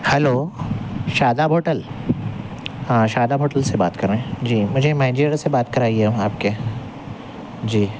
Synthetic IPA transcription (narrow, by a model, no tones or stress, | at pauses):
hɛloː | ʃaːd̪abʱoːʈəl | ãʃaːd̪abʱoːʈəlsebaːt̪kɐɾẽɦɛ̃d͡ʒiːmʊd͡ʒʱemaːɪd͡ʒeːɾasebaːt̪̚kɐɾaːiɛɦũaːp̚ke | d͡ʒiː